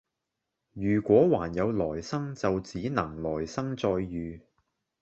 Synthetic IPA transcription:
jyː˨˩kʷɔː˨˥waː˨˩njɐ˨˧wlɔː˨˩jsɐ˥ŋt͡sɐ˨wt͡siː˨˥nɐ˨˩ŋlɔː˨˩jsɐ˥ŋt͡sɔː˧jːyː˨

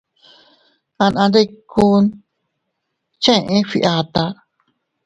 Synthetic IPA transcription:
ã˧nã˧nɾe˦˧ku˦n | t͡ʃẽ˦˨ʔẽ˦fi˧ʔa˧t̪a˧

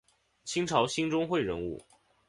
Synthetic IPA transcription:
t͡ɕʰi˥ŋʈ͡ʂʰɑ˧˥ʊɕi˥ŋʈ͡ʂʊ˥ŋxwe˥˩ɪɻə̰˧˥nṵ˥˩

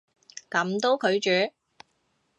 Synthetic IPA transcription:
kɐ˨˥mt̪o˧˥wkʰɵ˨˧ɥt͡ʃyː˨˥

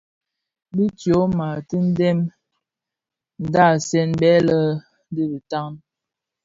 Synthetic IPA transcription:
bi˦tjo˨˦ma˨ti˦n̩˦dɛ˦m | n̩˨da˦˨sɛ˦nbɛ˦lə˦ | di˦bi˨ta˦ŋn

